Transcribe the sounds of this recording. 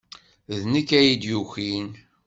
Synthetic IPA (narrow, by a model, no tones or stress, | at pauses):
ðnəkːæjid̪juçin